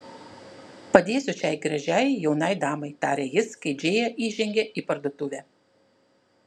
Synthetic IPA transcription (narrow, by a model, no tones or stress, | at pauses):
pɐd̪ʲeːsʲʊt͡ʃʲɛɪɡɾɐʒʲæˑjjɛʊnɐɪd̪ɑːmɐɪt̪ɑːɾʲɛjɪskɐɪd͡ʒʲeːjɛʔiːʒʲɛŋʲɡʲɛʔipɐɾd̪oːt̪ʊʋʲɛː